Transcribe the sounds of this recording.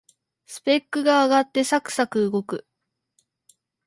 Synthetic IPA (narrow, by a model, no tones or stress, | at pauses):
sɨ̥pe̞kːɯ̟ɡaːɡat̪ːe̞sakɯ̟̥sakɯ̟ɯɡo̞kɯ̟